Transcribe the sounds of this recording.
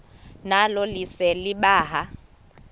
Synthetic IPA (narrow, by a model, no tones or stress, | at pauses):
nalɔlisɛliɓaːɦa